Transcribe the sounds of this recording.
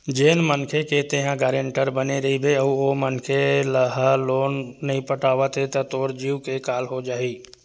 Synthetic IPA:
d͡ʒeːnmənkʰeket̪eɦãɡaːɾẽɳʈəɾbəneɾɐɦibʱeəomənkʰeləɦəloːnːɐɦĩpəʈaːʋət̪ɦet̪ət̪oːɾd͡ʒiːwkekaːlɦod͡ʒaːiː

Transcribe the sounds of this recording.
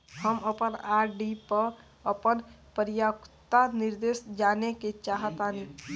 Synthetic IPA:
həməpənaɾɖipəɾ | əpənpəɾjakt̪anɪɾd̪esd͡ʒaneket͡ʃaːɦət̪ani

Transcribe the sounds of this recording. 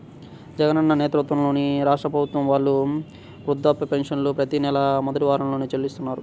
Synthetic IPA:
d͡ʒɛɡɐnɐnːɐneːt̪ɾut̪ʋɐmlo̞ːniɾaːʂʈɾɐpɾɐbʱut̪ʋɐmʋaːɭːu | ʋɾud̪ːaːpːɐpenʂɐnlupɾɐt̪inɛlɐmɔd̪ɐʈiʋaːɾɐmlo̞ːnit͡ʃelːist̪unːaːɾu

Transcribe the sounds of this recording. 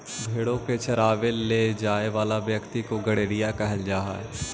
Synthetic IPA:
bʱeːɽõket͡ʃɐɾaːʋelːeːd͡ʒaːeʋaːlaʋjɐkt̪ikoɡɐɽeːɾijakɛɦəld͡ʒaːɦa̰

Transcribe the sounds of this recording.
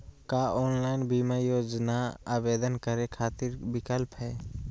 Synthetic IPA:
kaːoːnlaːɪnbimajoːd͡ʒnaaːbeːd̪ənkəɾekʰaːt̪ɪɾbɪkəlpɦɛː

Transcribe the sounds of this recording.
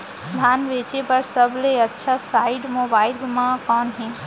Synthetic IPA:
d̪ʱaːnʋet͡ʃepəɾsəbleətːʃʰasaiɖmobaːɪlmãkɔːnɦẽ

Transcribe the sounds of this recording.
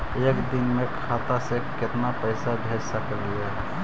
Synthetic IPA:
eːkd̪ɪnmẽkʰaːt̪asekɪt̪napəɪsabʱeːd͡ʒsəklijaɦɛ

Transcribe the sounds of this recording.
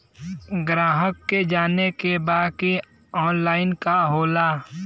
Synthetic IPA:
ɡɾaːɦəkːed͡ʒaːnekebaːd̪ki | ɔːnlaːɪnkaɦoːlaː

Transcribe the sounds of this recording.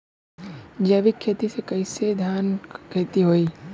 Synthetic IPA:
d͡ʒəʋikʰːeːt̪isekɐɪsed̪ʱjaːnkʰeːt̪iɦoːiː

